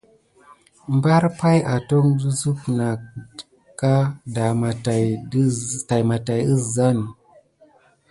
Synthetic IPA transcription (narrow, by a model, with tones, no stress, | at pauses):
mba˦ɾpa˦ja˨to˦ŋdu˦zu˦pna˨k̚ | kːa˦da˨ma˨ta˨j | ta˨jma˨ta˨jə˦sza˦˨n